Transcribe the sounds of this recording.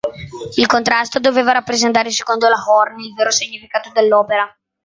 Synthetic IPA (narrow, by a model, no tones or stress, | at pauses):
ilkont̪ɾast̪od̪oveːvaɾapːɾezent̪̬aːɾese̥kond̪olahɔrnilveːɾosiɲːifikaːt̪od̪elːɔːpeɾa